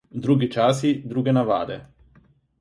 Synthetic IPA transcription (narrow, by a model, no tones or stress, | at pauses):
d̪ɾuːɡit͡ʃaːsid̪ɾuːɡenava̰ːd̪ḛ